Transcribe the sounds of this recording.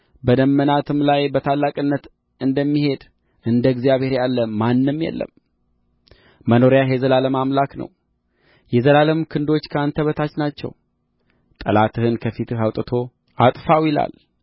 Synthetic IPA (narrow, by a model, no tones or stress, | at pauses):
bəd̪əmːənat̪ʰɨmlajbət̪ʰalːakʼɨnːət̪ | ɨnd̪əmːihe̞d̪ | ʔɨnd̪əɡzijaβhe̞ɾjalːəmanːɨmjɛ̰lːə̰m | məno̞ɾjaɦjɛzəlaləmamlaknə̰w | jɛzəlaləmkʰɨnd̪o̞t͡ʃːkʰəant̪ʰəβət̪ʰat͡ʃnat͡ʃːɛ̰w | t̪ʼə̰lat̪ʰɨhɨnkʰəfit̪ɨhawt̪ʼət̪ʰo̞ | at̪ʼfawjɪla̰l